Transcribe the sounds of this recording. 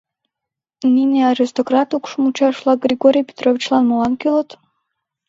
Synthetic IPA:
nʲinʲiaɾist̪okɾat̪ukʃmut͡ɕaʃlˠɑɡɾʲiɡoɾʲijpʲe̥t̪rovʲit͡ɕlˠanmulˠankʲilˠot̪

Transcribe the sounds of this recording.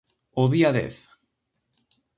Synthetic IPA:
oðiaðḛθ

